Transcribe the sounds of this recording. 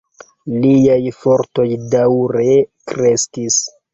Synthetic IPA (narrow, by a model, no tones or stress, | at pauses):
liajfo̞ɾto̞jdawɾekɾeskis